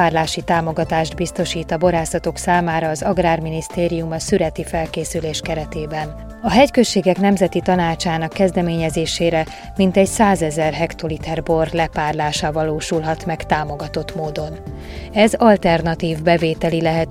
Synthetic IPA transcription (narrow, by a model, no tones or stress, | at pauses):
aːrlaːʃit̪aːmo̞ɡɒt̪aːʒd̪̚bist̪o̞ʃiːt̪ɒbo̞ɾaːsɒt̪o̞ksaːmaːɾɒːzɒɡraːrminist̪eːɾijumɒsyɾɛt̪ifɛlkeːsyleːʃkɛɾɛt̪eːbɛn | ɒɦɛckøʃːeːɡɛkn̪ɛmzɛt̪it̪ɒnaːt͡ʃaːnɒkːɛzd̪ɛmeːɲɛzeːʃeːɾɛ | mint̪ɛɟsaːzɛzɛrɦɛkt̪o̞lit̪ɛrbo̞rlɛpaːrlaːʃɒvɒloːʃulɦɒt̪mɛkt̪aːmo̞ɡɒt̪o̞t̪moːd̪o̞n | ɛzɒlt̪ɛrnɒt̪iːvbɛveːt̪ɛlilɛɦɛt̪